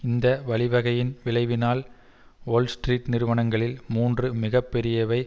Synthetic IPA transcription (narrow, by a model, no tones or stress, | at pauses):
ɪnd̪ɐʋɐɭɪʋɐɣɐjɪnʋɪɭɐɪʋɪnaːl | oːlsʈriːʈnɪɾɯʋɐɳɐŋɡɐɭɪlmuːndrɯmɪɣɐpːɛɾɪjɐʋɐɪ